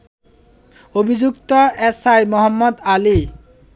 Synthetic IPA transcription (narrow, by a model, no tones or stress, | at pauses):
obʱid͡ʑukt̪ɔʔesajmɔɦɔmːɔd̪ali